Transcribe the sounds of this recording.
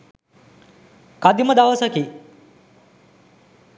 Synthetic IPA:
kad̪iməd̪aʋəsɐki

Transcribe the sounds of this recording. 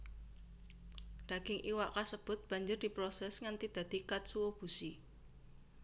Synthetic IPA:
d̪̥ä̤ɡ̥ɪŋʔiwaʔkasəb̥ʊ̤t̪̚b̥a̤ɲd͡ʒʊrd̪̥i̤pɾosɛsŋant̪id̪̥ä̤d̪̥i̤kat̪̚suwob̥usi

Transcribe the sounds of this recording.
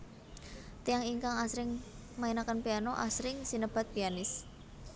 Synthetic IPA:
t̪ijaŋiŋkaŋasɾɪŋ | mainakənpianɔʔa̰sɾɪŋsinəb̥a̤t̪̚pianɪs

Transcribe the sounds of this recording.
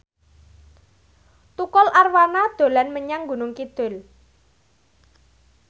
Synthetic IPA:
t̪ukɔlʔarwanad̪̥o̤lanməɲaŋɡunʊŋkid̪̥ʊ̤l

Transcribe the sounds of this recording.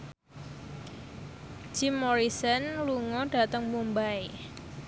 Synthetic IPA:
d͡ʒ̥imːɔɾisənluŋɔɖ̥a̤t̪əŋmumbae

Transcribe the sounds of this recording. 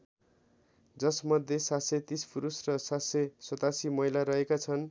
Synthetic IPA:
d͡zʌsmʌd̪ʱːjesatset̪ispʰuɾusrʌsasesʌt̪asimʌɦilaɾʌɦekat͡sʰʌn

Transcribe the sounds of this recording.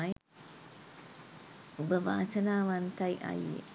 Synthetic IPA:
ubəʋa̰ːsənaːʋant̪ajʔa̰jḛ

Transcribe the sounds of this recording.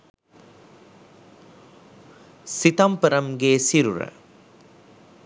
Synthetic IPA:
sit̪ɐmpɐɾɐmɡeːsiɾuɾɐ̰

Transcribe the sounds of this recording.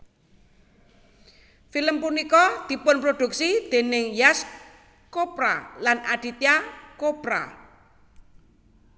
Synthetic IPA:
filəmpunikɔd̪̥i̤pʊnpɾod̪̥ṳk̚sid̪̥e̤nɪŋjas | kopɾa̰lanaɖ̪̥it̪jakopɾa̰

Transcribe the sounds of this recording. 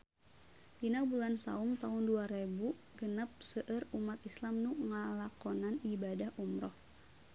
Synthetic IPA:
dinabulansa̰umt̪aʊnduaɾebu | ɡənəp̚səʔərumat̪islamnuŋalakɔnanibadahʔumɾɔh

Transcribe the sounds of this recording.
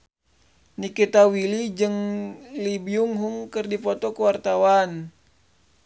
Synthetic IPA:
nikit̪awilid͡ʒɨŋlibiuŋɦuŋkɨrdipɔt̪ɔkəwart̪awan

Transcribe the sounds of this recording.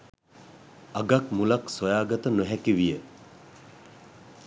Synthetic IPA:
ɐɡɐk̚mulɐksɔjaɡɐt̪ɐnuɦɛkːiwije

